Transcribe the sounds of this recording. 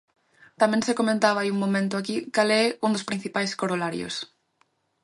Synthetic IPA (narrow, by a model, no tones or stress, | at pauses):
t̪amjẽnsekomẽnt̪aβaiuŋmõmẽnt̪oakikaleund̪ospɾin̟θipajskoɾolaɾjo̰s